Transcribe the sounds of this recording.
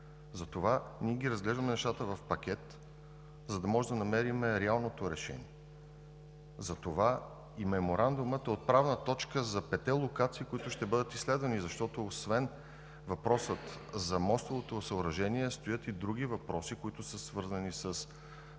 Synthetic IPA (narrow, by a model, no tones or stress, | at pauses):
zɐt̪ovaniɛɡʲiɾɐzɡlɛʒd̪ɐmɛnɛʃt̪at̪əvɐfpɐk̟ʲɛt̪ | zɐd̪ɐmɔʒɛd̪ɐnɐmɛɾimɛɾɛalˠnot̪oɾɛʃɛ̰nḭɛ | zɐt̪ova | imɛmoɾand̪umət̪ɛot̪̚pɾavnət̪ɔt͡ʃkəzɐpɛt̪ɛlˠokat̪siːkoit̪ʊʃt̪ɛbɤd̪ət̪isːlɛd̪vɐnizɐʃt̪ɔt̪oːsvɛn | vɐpɾɔsət̪zɐmɔst̪ovot̪osəoɾɐʒɛniɛst̪ojət̪id̪ɾuɡivɐpɾɔsikoit̪ʊsəsvɤɾzɐnisəs